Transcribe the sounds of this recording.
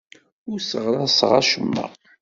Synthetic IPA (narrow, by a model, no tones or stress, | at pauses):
ʊɾsəʁɾæsʁa̰ʃəmːə̰